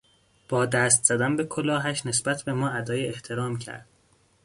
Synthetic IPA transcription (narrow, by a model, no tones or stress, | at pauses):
b̥ɒːd̪æst̪z̥æd̪ænbe̞kʰolɒːɦæʃne̞sbæt̪ʰbe̞mɒːæd̪ɒːjeeht̪ʰe̞ɾɒːmcʰæ̰ɾd̪̥̚